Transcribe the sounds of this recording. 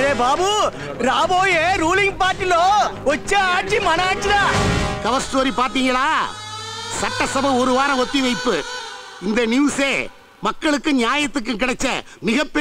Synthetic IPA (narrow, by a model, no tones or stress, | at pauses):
ɐɾeːbaːbu | ɾaːboːjeːɾuːlɪŋɡpaːɾʈːɪloːɔt͡ʃːɐaːʈ̚t͡ʃimɐnaːt͡ʃːɪɾaːkɐʋɐsʈoːɾipaːɾt̪iːŋɡɐɭaː | sɐʈːɐsɐbɐ̃ɔɾɯʋaːɾɐ̃ɔt̪ːiʋɐɪpːɯ | ɪnd̪ɐnjuːseː | mɐkːɐɭɯkːɯ̃ɲjaːjɐt̪ːɯk̬ːɯk̬ɪɽɐt͡ʃːɐ̰ | mɪɣɐpːɛ